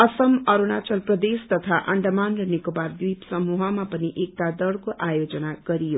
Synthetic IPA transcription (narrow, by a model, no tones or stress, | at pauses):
ʌsʌmʌɾunat͡ʃʌlprʌd̪est̪ʌt̪ʰaʔʌɳɖmanrʌnikobard̪wipsʌmuɦʌmapʌniʔek̚t̪ad̪ʌɽkoʔajod͡zʌnaɡ̥ʌɾijo